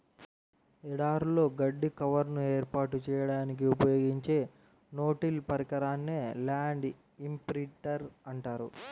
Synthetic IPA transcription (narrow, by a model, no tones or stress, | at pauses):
ɛɽaːɾulo̞ːɡɐɖːikɐʋɐɾnueːɾpaːʈut͡ʃɛːjɐɽaːnik̬iupɐjo̞ːɡiɲt͡ʃe̞ː | no̞ːʈilpɐɾikɐɾaːnːeːlaːɳɖ | impɾiʈɐɾɐɳʈaːɾṵ